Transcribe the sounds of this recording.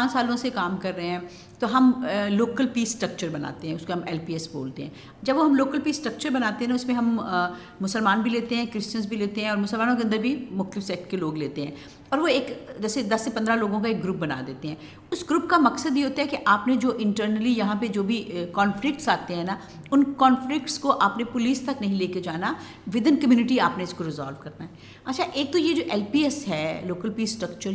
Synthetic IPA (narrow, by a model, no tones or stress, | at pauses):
ãːt͡ʃsaːlõsekaːmkɐɾːəɦeɦɛ̃ | t̪oɦɐmloːkəlpiːsːʈɾɐk̚t͡ʃəɾbɐna̰ːt̪eɦɛ̃ʊskeɦɐmɛːlpiːɛsbo̰ːlt̪eɦɛ̃ː | d͡ʒɐbʋoɦɐmloːkəlpiːsːʈɾəɐk̚t͡ʃəɾbɐnaːt̪eɦɛ̃naʊsmẽɦɐm | mʊsəlmaːnbʱileːt̪eɦɛ̃kɾɪst͡ʃə̃nzbʱileːt̪eɦɛ̃ɔːɾmʊsəlmaːnõkeɐnd̪əɾbʱimʊxt̪ɪfsɛːkʈkeloːɡleːt̪eɦɛ̰̃ː | ɔːɾʋoeːkd͡ʒɛːsed̪ɐsːepɐ̃nd̪ɾaloːɡõkaeːk̚ɡɾuːp̚bɐna̰ːd̪eːt̪eɦɛ̃ | ʊsɡɾuːpkamɐksəd̪jeɦoːt̪aɦɛkeʔaːpned͡ʒoːʔɪ̃ɳʈəɾnəlijɐɦãped͡ʒoːbʱikɔːnflɪk̚ʈsaːt̪eɦɛ̃na | ʊnkɔːnflɪkʈskoʔaːpnepʊliːst̪ɐknɐɦĩleːked͡ʒaːna | ʋɪd̪ənkɐmjuːnɪʈiaːpneɪskoɾɪza̰ːlʋkɐɾnaɦɛː | ɐtːʃʰaʔeːk̚t̪ojed͡ʒoːʔɛːlpiːɛsɦɛːloːkəlpiːssːʈɾɐkt͡ʃəɾ